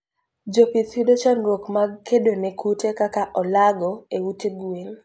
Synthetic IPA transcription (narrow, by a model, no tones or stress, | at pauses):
d͡ʒopit̪widot͡ʃanɾokmaɡkedonekʰutekakaʔɔlaɡɔewuteɡwel